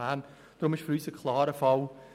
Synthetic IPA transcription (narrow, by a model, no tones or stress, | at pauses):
aːn | d̪̥ɾʊmɪʃfəɾyːsəkʰl̥ˠɑːɾəfɔl